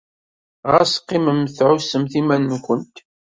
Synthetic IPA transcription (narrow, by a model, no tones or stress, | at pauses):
ʁæsqːɪməmθʕʊsːəmθimænnkʷənt̪